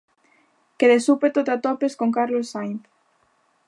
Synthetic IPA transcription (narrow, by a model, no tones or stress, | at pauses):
keðesupet̪ot̪at̪opeskoŋkaɾlosːajθ